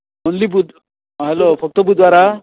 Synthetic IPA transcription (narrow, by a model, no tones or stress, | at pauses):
ɔnlibud̪ | ɦɛlopʰɔk̚t̪ɔbud̪waɾa